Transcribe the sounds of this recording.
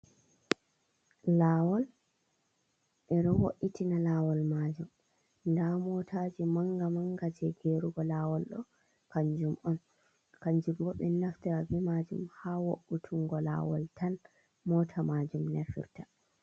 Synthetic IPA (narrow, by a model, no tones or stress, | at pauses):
laːwɔl | ʔɛɗɔwo̰ʔːitʰinalaːwɔlmad͡ʒum | ndamɔtʰad͡ʒimaŋɡamaŋɡad͡ʒɛɡeɾuɡɔlaːwɔlɗɔ̰ | kaɲd͡ʒumʔɔn | kaɲd͡ʒumɡɔɓɛnaftiɾavimad͡ʒṵmhawoʔːutʰuŋɡɔla̰ːwɔ̰ltʰan | mɔːtʰamad͡ʒumneɾfḭɾta